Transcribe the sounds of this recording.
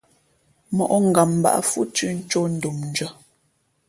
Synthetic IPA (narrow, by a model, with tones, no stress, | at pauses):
mɔ˨ʔɔ˦ŋ̩˦ɡa˨m˨ba̰˦ʔa̰˦fu˦tʉ˦n̩˦t͡ʃo˦n̩˦du˨mn̩˨d͡ʒə˦